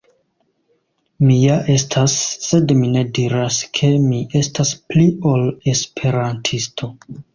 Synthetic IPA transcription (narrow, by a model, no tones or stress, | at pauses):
mijaʔe̞stʰasːe̞dmine̞diɾaskʰe̞miʔe̞staspliole̞spʰe̞ɾantʰistʰo̞